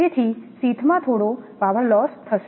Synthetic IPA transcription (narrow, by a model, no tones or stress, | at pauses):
et̪ʰisit̪ʰmãt̪ʰoɽopaʋəɾlɔst̪ʰəʃ